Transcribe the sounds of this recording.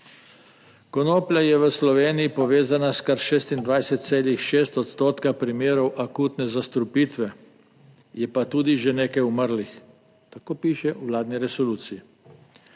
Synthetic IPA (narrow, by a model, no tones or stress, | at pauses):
kɔnoːplʲjajɛʋəslɔʋeːnijipɔʋeːzanaskaɾʃeːst̪ind̪ʋajsɛt̪̚t̪seːlixʃeːst̪ɔt̪st̪oːt̪kapɾimeːɾɔwʔakuːt̪nɛzast̪ɾupiːt̪ʋɛ | jɛpat̪uːd̪iʒeneːkajuməɾlix | t̪akoːpiːʃɛʔuʋlaːd̪niɾɛsɔluːt̪sii